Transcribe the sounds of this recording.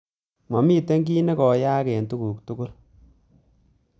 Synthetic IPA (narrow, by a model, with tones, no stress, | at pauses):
mɔ˨mi˦˨te˦ŋɡi˦ne˦kɔ˨jaː˦ke˨ntu˦kuː˨k̚tu˦kʊ˦l